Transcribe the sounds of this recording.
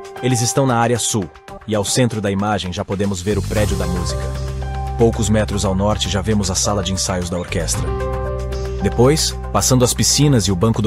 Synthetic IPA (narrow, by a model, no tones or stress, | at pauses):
elɪzɪst̪ɐ̃w̃nɐaɾiɐsuw | ɪawsẽnt̪ɾʊd̪ɐimaʒẽj̃ʒapod̪ẽmʊzveɾʊpɾɛd͡ʒʊd̪ɐmuzikɐpowkʊzmɛt̪ɾʊzawnɔɾt͡ʃɪʒavẽmʊzɐsalɐd͡ʒɪẽsajʊzd̪ɐoɾkɛst̪ɾɐ | d̪epojs | pasɐ̃nd̪ʊɐspisĩnɐzɪʊbɐ̃kʊd̪